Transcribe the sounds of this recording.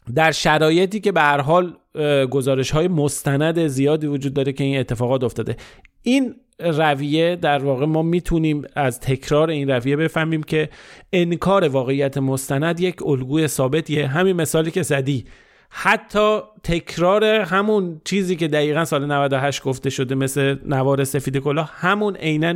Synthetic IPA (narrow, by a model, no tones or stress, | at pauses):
d̪æɾʃæɾɒːje̞t̪iːce̞behæɾɦɒːlɡo̞zɒːɾe̞ʃhɒːjemost̪ænæd̪e̞zijɒːd̪iːvod͡ʒuːd̪ːɒːɾe̞cʰe̞iːnet̪ʰːe̞fɒːɣɒːt̪o̞ft̪ɒːd̪e̞ʔiːn | ræviːje̞d̪æɾvɒːɣe̞mɒːmiːt̪ʰuniːmæzt̪ʰe̞kʰɾɒːɾe̞iːnrævije̞be̞fæhmiːmcʰeenkʰɒːɾe̞vɒːɣe̞ijːæt̪ʰemost̪ænæd̪je̞cʰolɡuːje̞sɒːbe̞t̪ʰieɦæminme̞sɒːliːcʰe̞zæd̪iː | hæt̪ʰːɒːt̪ʰe̞kʰɾɒːɾe̞ɦæmunt͡ʃʰiːziːce̞d̪æiːɣænsɒːle̞nævæd̪oɦæʃt̪̚ɡ̥o̞ft̪e̞ʃo̞d̪e̞me̞sle̞nævɒːɾe̞se̞fiːd̪e̞ko̞lɒːhhæmunʔejnæn